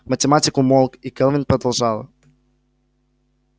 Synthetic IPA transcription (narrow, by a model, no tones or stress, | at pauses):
mət̪ʲɛmat̪ikumɔlˠkikɛlˠvinpɾod̪əlˠʒalˠə̰